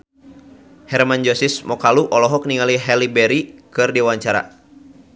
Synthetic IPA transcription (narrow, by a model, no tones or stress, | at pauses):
hɛrmand͡ʒɔsismɔkaluʔɔlɔɦɔk̚niŋaliɦɛlibɛɾikɨrdiwaɲt͡ʃaɾa̰